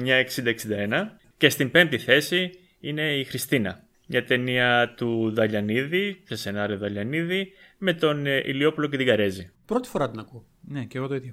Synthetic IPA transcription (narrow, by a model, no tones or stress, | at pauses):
ɲɐe̞ksind̪eksind̪ɐe̞nɐ | ce̞st̪imbe̞nt̪iθe̞si | ine̞ixɾist̪inɐ | mɲɐt̪e̞niɐt̪uðɐʎɐniðisese̞nɐɾioðɐʎɐniðime̞t̪o̞nḭlio̞puloce̞t̪iɡɐɾe̞zipɾo̞t̪i̥fo̞ɾɐt̪inɐku | neceɣot̪oit̪jɐ